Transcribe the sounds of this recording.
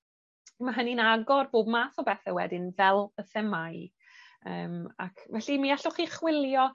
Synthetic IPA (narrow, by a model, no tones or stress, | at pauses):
maɦəninaɡɔrboːbmaːθɔbɛθɛwɛ̰dɪnvɛlˠəθɛmaj | ə̰ːma̰kʰvɛɬimiaɬʊχiχwɪlˠjɔ